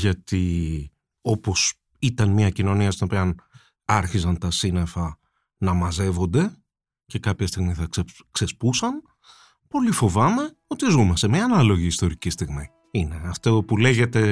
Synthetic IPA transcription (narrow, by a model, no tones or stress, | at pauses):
ʝɐt̪i | o̞po̞s | it̪ɐnmiɐcino̞niɐst̪ino̞piɐn | ɐɾçisɐnt̪ɐsine̞fɐ | nɐmɐze̞vo̞nd̪e̞ | ce̞kɐpçɐst̪iɣmiθɐke | kse̞spusɐn | po̞lifo̞vɐme̞ | o̞t̪izumɐst̪emɲɐːnɐlo̞ʝiːst̪o̞ɾicist̪iɣmi | ine̞ɐft̪opule̞ʝe̞t̪e̞